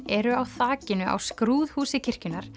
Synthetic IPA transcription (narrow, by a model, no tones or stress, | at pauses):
ɛɾʏawθaːcɪnʏʔa̰wskɾuːðhuːsɪcʰɪr̥cʏnːaɾ̥